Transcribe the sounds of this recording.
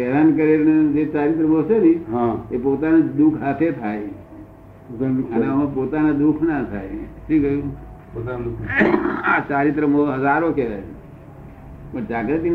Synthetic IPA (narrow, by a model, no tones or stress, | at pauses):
ɛd̪ankəɾened͡ʒet͡ʃaːɾit̪ɾəmoseniɦãepot̪anad̪ukʰɦat̪ʰet̪ʰaj | əneãpot̪anad̪ukʰnat̪ʰajʃikəjũ | ot̪akat͡ʃaːɾit̪̬ɾəmoɦəd͡ʒaɾokɛd̪ani | pəɳt͡ʃakɾet̪i